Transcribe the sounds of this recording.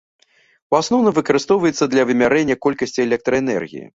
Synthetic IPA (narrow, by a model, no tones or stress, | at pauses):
uasnɔwnɐvɨkɐɾɨst̪ɔwvɐjɛt̪sːɐd̪lʲɐvɨmʲaɾɛnʲːɐkɔlʲkɐsʲt͡sʲiɛlʲɛk̚t̪ɾɐɛnɛ̰rɣʲḭjḭ